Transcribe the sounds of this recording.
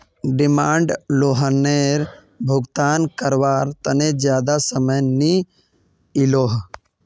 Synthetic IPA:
ɖɪmaːɳɖloːɦəneːɾ | bʱʊɡt̪aːnkəɾʋaːɾt̪əned͡ʒjaːd̪asəməjni | ɪloːɦ

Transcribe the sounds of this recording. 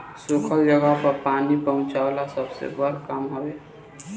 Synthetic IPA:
sʊkʰəld͡ʒəɡəɦpəɾpaːnipəɦʊ̃t͡ʃaʊlasəbsḛbəɾkəmɦəweː

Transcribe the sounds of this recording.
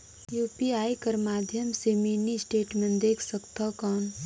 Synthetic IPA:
juːpiaːikəɾmaːd̪ʱjəmseminisʈeːʈmẽnd̪eːkʰsəkt̪akɔːn

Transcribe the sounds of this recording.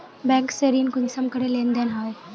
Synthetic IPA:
bɛ̃ːŋkseɾiːnkʊnsɐmkɐɾelẽnd̪ənɦaːe

